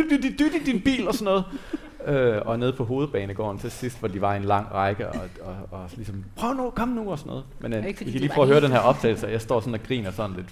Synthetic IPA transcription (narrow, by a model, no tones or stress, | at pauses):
d̥yd̥id̥yd̥id̥inb̥ḭːlɒ̽sɒnːɔ̽ːð̞̩ˠ | øɒ̽ne̝ð̞̩ˠpʰɒ̽ɦo̝ːð̞̩ˠb̥ɛːnəɡ̥ɒ̰ːnt͡sʰe̝sisd̥ʋɒd̥iʋɑ̈e̝nlɑ̈ŋ̰ʁɑ̈ɪɡ̥əɒ̽ɒɒ̽lisɒ̽mpʰʁœʊnukʰɒ̽mənuɒsɒnɔ̽ːð̞ˠmeniskʰæliːpʰœːʊɐɦøːɐɾenɦeɐɒ̽b̥̚t͡sʰɛ̰ːl̩sjɑ̈ɪsd̥ɒ̰ːsɒ̽næɡ̥ʁḭːnɐsɒ̽n̩le̝d̥